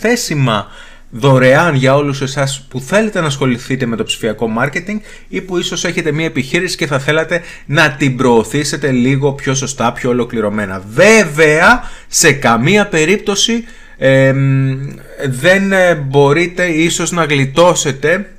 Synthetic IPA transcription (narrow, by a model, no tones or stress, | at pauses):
θe̞simɐ | ðo̞ɾe̞ɐnʝɐo̞luse̞sɐspuθe̞le̞t̪e̞nɐsxo̞liθit̪e̞me̞t̪o̞psi̥fiɐko̞mɐɾce̞t̪iŋɡ | ipuiso̞se̞çe̞t̪e̞mɲɐepiçiɾisi̥ce̞θɐθe̞lɐt̪e̞ | nɐt̪ibɾo̞ːθise̞t̪e̞liɣo̞pço̞so̞st̪ɐpço̞olo̞kliɾo̞me̞nɐ̰ve̞veɐse̞kɐmiɐpe̞ɾip̚t̪o̞si | ðe̞nbo̞ɾit̪e̞iso̞znɐɣlit̪o̞se̞t̪e̞